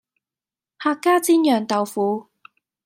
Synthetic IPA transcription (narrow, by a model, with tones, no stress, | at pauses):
haː˧kːaː˥t͡siː˥njœː˨˩ŋt̪ɐ˨wfuː˨˥